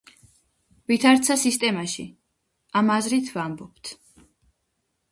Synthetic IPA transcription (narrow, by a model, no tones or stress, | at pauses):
vit̪ʰaɾt̪sʰasist̪ʼɛmaʃḭ | amazɾit̪ʰvambɔp̚t̪ʰ